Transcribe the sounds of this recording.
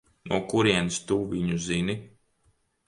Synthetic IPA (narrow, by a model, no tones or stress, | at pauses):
nuɔkuɾiɛnst̪uːviɲuzini